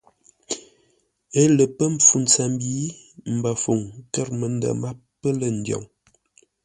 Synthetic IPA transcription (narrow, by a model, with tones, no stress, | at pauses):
ə˦lə˨pə˦m˨p͡fu˨nt͡sa˨m˦bi˦ | m̩˨ba˨fo˨ŋkə˦ɾmə˨n˦də̰˨ma˦ | pːə˦lə˨n̩˦djɔ̰˨ŋ